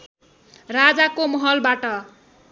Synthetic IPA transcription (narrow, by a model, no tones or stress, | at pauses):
rad͡zakomʌɦʌlbaʈʌ